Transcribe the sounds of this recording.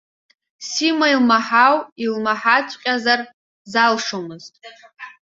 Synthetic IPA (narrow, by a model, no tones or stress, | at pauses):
simailmaħawilmaħat͡sʷʰʼqʲʼazar | zalʂomɨztʼ